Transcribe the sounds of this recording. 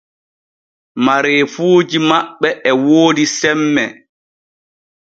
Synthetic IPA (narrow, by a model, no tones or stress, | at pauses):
maɾeːfuːd͡ʒimaɓːɛʔɛwoːdisɛmːɛ